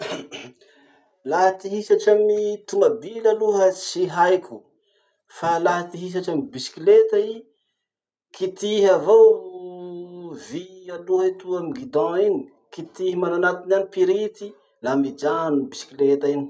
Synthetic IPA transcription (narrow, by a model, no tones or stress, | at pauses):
laɦət̪iɦisaʈ͡ʂamit̪umabilaluɦət͡siɦajkʲʰu̥ | falaɦət̪iɦis̬aʈ͡ʂamibisi̥kilet̪ai | kit̪iɦavow | vialuɦəit̪uamiɡid̪ɔ̃ini̥ | kit̪ihimananak̪inanipiɾit̪i | lamid͡ʒanubisi̥kilet̪aini̥